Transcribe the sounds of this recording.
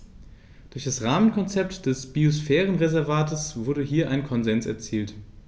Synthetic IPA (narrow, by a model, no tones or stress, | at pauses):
d̥ʊɐçd̥asʁaːmənkʰɔnt͡sɛptd̥ɛsb̥iosfɛːʁ̞ənʁezɛɐvaːtəsv̥ʊɐdəɦiːɐʔaɪnkʰɔnzɛnsɛ̰ɐt͡siːlt